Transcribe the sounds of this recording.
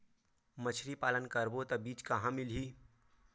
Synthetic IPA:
mət͡ʃʰɾipaːlənkəɾbot̪ɐbiːt͡ʃkɐɦãmɪlɦiː

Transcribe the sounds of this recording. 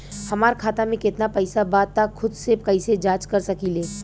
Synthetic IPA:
hɐmaːɾkʰaːt̪amẽkɪt̪napɛɪsabaːd̪̚axʰʊd̪sekɐised͡ʒaːt͡ʃkɐɾsɐkileː

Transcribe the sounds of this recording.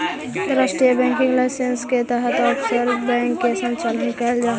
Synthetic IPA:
d̪ɾəsʈijəbɛ̃ŋkɪ̃ŋɡlaɪsensket̪əɦət̪ɔpʰsəɾbɛ̃ŋkːesənt͡ʃaːlənkəld͡ʒaː

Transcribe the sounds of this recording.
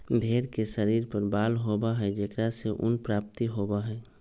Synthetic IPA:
bʱeːɾkeʃəɾiːɾpəɾbaːlɦoːbaɦɛd͡ʒekɾaseʔʊ̰npɾaːp̚t̪iɦoːbaɦɛː

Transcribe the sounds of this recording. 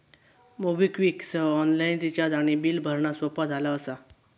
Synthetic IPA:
mobikʋiksəɔnlaint̪it͡ɕad̪aɽ̃ibiːlbʱəɾɳasʋopad͡zʱalaəsa

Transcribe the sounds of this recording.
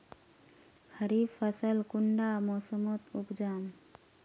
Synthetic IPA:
kʰəɾiːbfəsəlkuɳɖaːmoːsəmot̪upd͡ʒaːm

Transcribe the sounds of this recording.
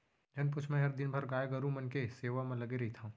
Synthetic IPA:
d͡ʒʱɐnp̬ʊt͡ʃʰmẽɦɐɾd̪ɪnbʱɐɾɡaːjɡɐɾũmɐnkeseːʋamẽlɐɡeɾɐɦit̪ʰaɦũ

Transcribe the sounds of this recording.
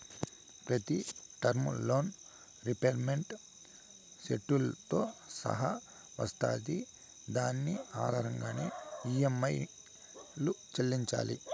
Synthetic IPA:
pɾɐt̪iʈɐɾmlo̞ːn | ɾipeːɾmeɳʈ | seʈːulɐt̪o̞ːsɐ̰ɦɐ | ʋɐst̪a̰ːd̪i | d̪aːnːiaːd̪ʱaːɦɐŋɡaːnḛːiːjemɐj | lut͡ʃɐlːiɲt͡ʃa̰ːlḭ

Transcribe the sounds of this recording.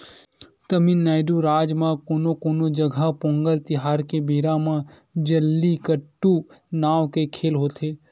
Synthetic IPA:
t̪əminːaːɪɖuɾaːd͡ʒmãkoːnokoːnod͡ʒəɡʱapõːŋɡəlt̪ɪɦaːɾkebiːɾamã | d͡ʒəlːikəʈːunaːʋkekʰeːlɦoːt̪ʰeː

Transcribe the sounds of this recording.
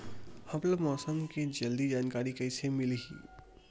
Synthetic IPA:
hɐpləbmɔːsəmked͡ʒɐld̪id͡ʒaːnkaːɾikəɪsemɪlɦḭː

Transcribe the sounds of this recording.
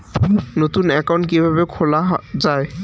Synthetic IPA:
not̪unɛkawnʈkebʱabekʰolad͡ʑae

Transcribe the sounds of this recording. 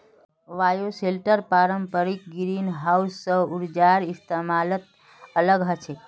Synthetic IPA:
ʋajoselʈəɾpaɾəmpəɾik̚ɡiɾinɦausːə̃uɾd͡ʒaɾist̪emalət̪̚ | ələɡɦət͡ʃʰe

